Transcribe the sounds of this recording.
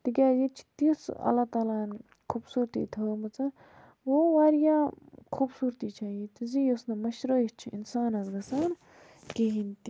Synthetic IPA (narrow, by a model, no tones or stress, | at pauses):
t̪ikʲaːjit͡ʃʰi̥t̪isɐ̰lːaːt̪aːlaːn | kʰuːbsuːɾt̪ḭːt̪ʰəːmɐt͡sɐ | woʋaːɾjaːkʰubsuːɾt̪iːt͡ʃʰaːjit̪ɨzijosnɐmɐʃɾəːjit͡ʃʰiḭnsaːnɐzɡɐsaːn | keɦint̪i